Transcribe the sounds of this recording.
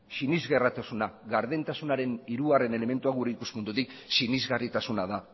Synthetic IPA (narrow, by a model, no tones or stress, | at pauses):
sinizɣe̞rat̪asunaɣaɾðe̞nt̪asunaɾe̞niɾuɣare̞ne̞le̞me̞nt̪uaɣuɾe̞ikuspund̪ut̪iksinizɣarit̪asunaða